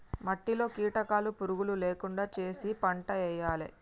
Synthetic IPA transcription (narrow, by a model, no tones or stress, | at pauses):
mɐʈːilo̞ːkiːʈɐkaːlupuɾuɡululeːkuɳɖaːt͡ʃe̞ːsipɐɳʈɐɛjːaːle